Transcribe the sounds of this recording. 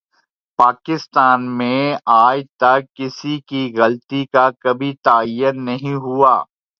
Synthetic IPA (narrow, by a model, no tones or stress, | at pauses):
paːkɪst̪aːnmẽaːjt̪ɐkːɪsikiɣɐlt̪ikakɐbʱit̪aːjːənːɐɦĩɦuaː